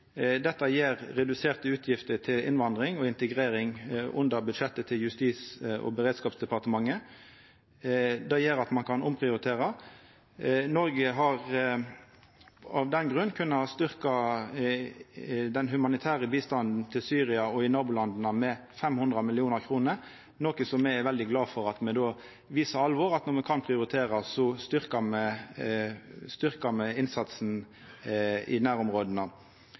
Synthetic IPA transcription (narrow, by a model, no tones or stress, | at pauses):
d̪ɛt̪ːəjeːʁɾɛd̪ʉseːʁt̪əʉːt̪ʰjɪft̪əʈ̪ʰɪlɪ̰nʋɑnd̪ʁɪŋɔɪnt̪əɡʁeːɾɪŋʔʊnd̪əʁbʉd̪ʂɛt̪ːət̪ʰɪljʉst̪iːsɔ̰bəʁeːd̪skɑːpsd̪ɛpɑʁt̪əmɑŋːə | d̪ɛjeːɾɑt̪mɑnkʰɑnʊmpʰʁɪʊɾɪt̪ʰeːʁɑ | nɔɾɡəɦɑʁ | ɑʋd̪ɛnɡʁʉnːkʰʉnːɑhɑst̪ʏʁkɑ | d̪ɛnɦʉmɑnɪt̪ʰæːʁəbiːst̪ɑnd̪n̩t̪ʰɪlsyːʁɪɑɔɪnɑːbʊːlɑnd̪n̩ɑmɛfɛmhʉnd̪ʁɑmɪlɪuːnəɾkʰɾuːnəɾ | noːkəsɔmːɛɛʋɛld̪ɪɡlɑːfɔɾɑt̪mɛd̪oː | ʋiːsəɾɑlʋɔɾɑt̪nɔʁmɛkʰɑnpʰʁɪʊɾɪt̪ʰeːɾɑsɔst̪ʏɾkɑmɛ | st̪ʏʁkɑmɛɪnsɑt̪sn̩ | ɪ̰d̪ɛnæːɾɔmʁoːd̪ənɑ